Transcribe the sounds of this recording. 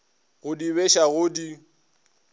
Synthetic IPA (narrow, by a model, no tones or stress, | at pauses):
ɣʊdiβeʃaɣʊdi